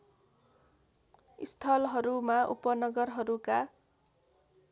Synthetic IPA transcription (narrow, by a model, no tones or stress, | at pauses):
ist̪ʰʌlɦʌɾumaʔṵpʌnʌɡʌrɦʌɾuka